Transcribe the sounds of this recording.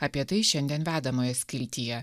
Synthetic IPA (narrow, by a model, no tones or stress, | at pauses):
ɐpʲiɛt̪ɐɪʃʲɛnʲd̪ʲiɛnʋʲæːd̪ɐmoːjɛsʲkʲɪlʲt̪ʲijɛ